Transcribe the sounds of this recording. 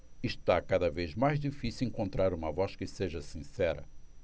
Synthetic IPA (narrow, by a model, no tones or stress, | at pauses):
iʃt̪akad̪ɐvezmajzd̪ifisiwẽŋkõnt̪ɾaɾũmɐvɔskɪseʒɐsĩsɛɾɐ̰